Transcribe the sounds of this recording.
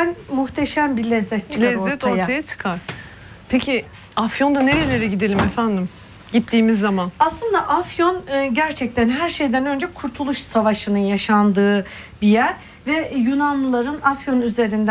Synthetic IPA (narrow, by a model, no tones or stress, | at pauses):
bænmuxt̪ʰeʃæmbilʲɛzːɛt̪̚t͡ʃʰɯ̥lkaɛzɾo̞ɾːɛt̪aɾjtaajat͡ʃʰɯ̥kʰaɾ̥ | pʰecʰi | afjo̞nd̪aneɾelʲe̞ɾiɟid̪elʲimɛfænd̪im | ɟit̪ʰːiːmizːamanaslˠɯnd̪aʔafjo̞nːɟæɾt͡ʃʰɛc̚t̪ʰænɦæɾʃe̞jd̪ænø̞nd͡ʒɛkʰuɾt̪ʰulˠuʃsavaʃɯnɯnjaʃand̪ɯː | bijæɾ | vɛjunamɯlˠaɾɯnafjo̞nyze̞ɾind̪